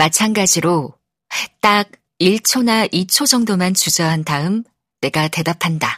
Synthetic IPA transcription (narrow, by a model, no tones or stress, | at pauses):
mat͡ɕʰanɡad͡ʑiɾo | t͈aɡ̚ | iɭt͡ɕʰonaʔit͡ɕʰod͡ʑʌŋdomant͡ɕud͡ʑʌɦantaɯm | ne̞ɡate̞dapʰanda